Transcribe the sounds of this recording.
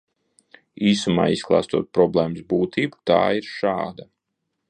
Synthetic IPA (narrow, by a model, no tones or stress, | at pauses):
iːsuma̰ːisklˠa̰ːst̪uɔt̪̚pɾɔblˠɛːmsbuːt̪ʰiːbu̥t̪a̰ːiɾʃa̰ːd̪a